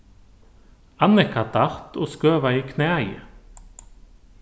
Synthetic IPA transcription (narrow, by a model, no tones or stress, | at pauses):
ɑnɛkʰɑt̪ʰɑʁt̪ʰoːskøːʋɑiːkʰneːæɪ